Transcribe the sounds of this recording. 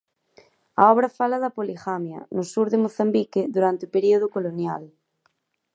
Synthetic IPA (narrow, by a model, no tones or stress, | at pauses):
a̰ɔβɾafalaðapoliɣamja̰nosuɾðemoθambikeðuɾant̪eopeɾioðokolonjal